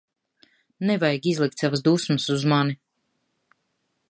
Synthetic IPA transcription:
nɛvajɡizlˠik̚t̪savasd̪usməsuzmani

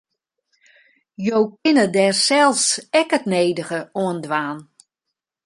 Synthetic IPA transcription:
jowkɪnədɛrsɛlˠsɛkətneːdəɣəoəndʋaːn

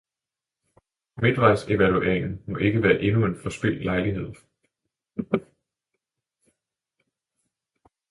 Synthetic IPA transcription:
me̝d̥ʋɑ̈ɪse̝ʋæluḛeŋn̩mɒ̽ʔe̝ɡ̥əʋæːɐʔe̝nue̝nfɒ̽sb̥e̝l̰lɑ̈ɪliɦe̝ð̞̰ˠ

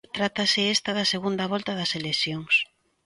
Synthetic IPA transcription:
t̪ɾat̪ɐsɪest̪ɐðɐseɣund̪ɐβɔlt̪ɐðɐseleθjoŋs

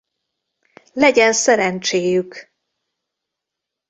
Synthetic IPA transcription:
lɛɟɛnsɛɾɛnt͡ʃeːjyk

